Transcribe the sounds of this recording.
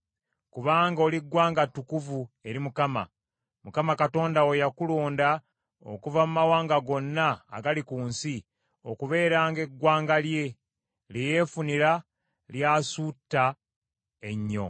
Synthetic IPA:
kuβaːŋɡo̞ːliɡwaːŋɡatːukuvue̞ɾimukama̰ | mukamakato̞ːndaojakuloːnda | o̰kuvamumawaːŋɡaɡo̞nːa̰ːɡalikuːnsi | okuβe̞ːɾaːŋɡe̞ɡːwaːŋɡalje̞ | leje̞funiɾa | ljaːsutːa | e̞ɲːo̞̰

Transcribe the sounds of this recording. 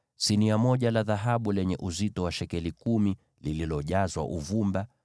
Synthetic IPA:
siniamɔʄalaðaɦaɓulɛɲɛʔuzitɔwaʃɛkɛlikumi | lililɔʄazwa̰ʔuvumba

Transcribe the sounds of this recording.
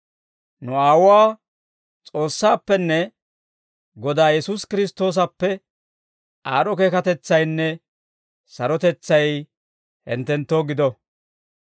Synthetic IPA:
nʊaːwʊwaː | t͡sʼo̞ːsːaːpːɛnːɛ | ɡɔd̪aːjɛsuːskɪɾɪst̪o̞ːs̬ɐpːɛ | aːɾɔkeːkɐt̪ɛt͡sːɐjnːɛ | sɐɾɔt̪ɛt͡sːɐj | hɛ̰nt̪ɛnt̪ːoːɡɪd̪ɔ

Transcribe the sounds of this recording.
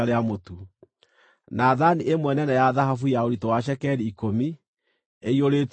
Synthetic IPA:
aɾeamotu | naðaniʔemwɛnɛnajaðaɦafujaoɾitowaʃ̬ɛkɛɾiːkomi | eioɾet

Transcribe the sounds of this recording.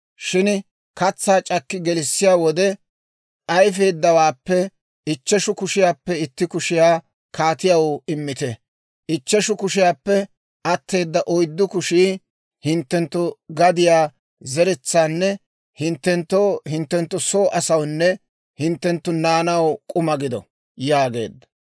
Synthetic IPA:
ʃɪn | kɐt͡sːaːt͡ʃʼɐkːɪɡɛlɪsːɪjaːwɔd̪ɛ | ʔɐjfe̞ːd̪ːɐwaːpːɛ | ʔɪt͡ʃːɛʃʊkʊʃɪjaːpːɛɪt̪ːɪkʊʃɪjaː | kʰaːt̪ɪjɐwɪmːɪt̪ɛ | ʔɪt͡ʃːɛʃʊkʊʃɪjaːpːɛ | ʔɐt̪ːe̞ːd̪ːɐʔɔjd̪ːʊkʊʃiː | hɪnt̪ːɛnt̪ːʊɡɐd̪ɪjaː | zɛɾɛt͡sːaːnːɛ | hɪnt̪ːɛnt̪ːoːhɪnt̪ːɛnt̪ːʊsoːʔɐsɐwnːɛ | hɪnt̪ːɛnt̪ːʊnaːnɐwkʼʊmɐɡɪd̪ɔ̰ | jaːɡe̞̰ːd̪ːɐ̥

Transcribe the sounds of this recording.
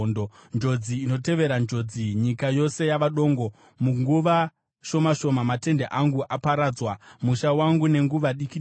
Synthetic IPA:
ndond͡ʒo̞d͡ziːno̞te̞ʋe̞ɾand͡ʒo̞d͡ziɲikajo̞se̞jaʋaɗo̞ːŋɡo̞ | muŋɡuʋa | ʃo̞maʃo̞mamate̞ndeʔaŋɡuʔapaɾaːd͡zwamuʃawaŋɡune̞ŋɡuʋaɗikiɗ

